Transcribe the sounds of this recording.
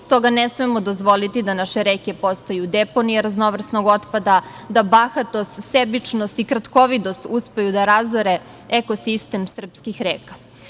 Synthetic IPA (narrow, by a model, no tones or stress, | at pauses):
st̪o̞ɡanesmemod̪ozʋo̞lit̪id̪anaʃeɾeke̞po̞st̪ajud̪eponijeɾazno̞ʋr̩sno̞ɡo̞t̪pad̪a | d̪abaxat̪o̞st̪sebit͡ʃnost̪ikɾat̪ko̞ʋid̪ost̪uspe̞jud̪aɾazoɾe | eko̞sist̪e̞msr̩pskixɾeːkḁ